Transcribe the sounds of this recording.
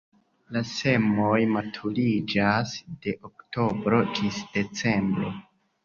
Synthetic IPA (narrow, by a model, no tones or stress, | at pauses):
lase̞mo̞jmatʰulid͡ʒasd̥e̞ʔokto̞bɾo̞d͡ʒisd̥e̞t͡se̞mbɾo̞̰